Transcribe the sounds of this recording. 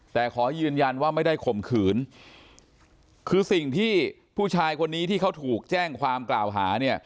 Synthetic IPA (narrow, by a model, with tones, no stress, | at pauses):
t̪ɛː˨˩kʰɔː˩˦jɯː˧nja˧nwaː˥˩ma˥˩jda˥˩jkʰo˨˩mkʰɯː˩˦n | kʰɯː˧si˨˩ŋt̪ʰiː˥˩ | pʰuː˥˩t͡ɕʰaː˧jkʰo˧nːiː˦˥t̪ʰiː˥˩kʰa˦˥wt̪ʰuː˨˩k̚t͡ɕɛː˥˩ŋkʰwaː˧mklaː˨˩wɦaː˩˦ni˥˩ɐ